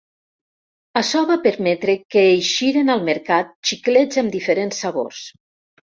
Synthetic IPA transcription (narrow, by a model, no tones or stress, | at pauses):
əsɔβapəɾmɛt̪ɾekeːjʃiɾenalˠmeɾkat̪̚t͡ʃikled͡zamd̪ifeɾensːaβo̰rs